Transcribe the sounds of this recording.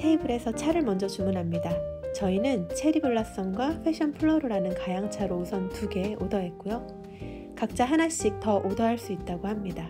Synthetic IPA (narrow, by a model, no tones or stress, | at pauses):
tʰeibɯɾe̞sʰʌt͡ɕʰaɾɯɭmʌnd͡ʑʌt͡ɕumunɦamɲidat͡ɕʌinɯnt͡ɕʰe̞ɾibɯɭːas͈ʌnɡwaɸʰeɕ͈ʰʌnpʰɯɭːʌɾɯɾanɯnkajaŋt͡ɕʰaɾousʰʌntuɡe̞ʔodʌɦe̞t̚k͈ojo | kak̚t͡ɕ͈aɦanaɕ͈ik̚tʌʔodʌɦaɭs͈uit̚t͈aɡohamɲida